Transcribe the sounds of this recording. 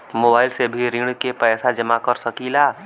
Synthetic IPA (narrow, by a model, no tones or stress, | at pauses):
moːbaːɪlsebʱiɾɪɳkepɛːsad͡ʒəmakəɾsəkilaː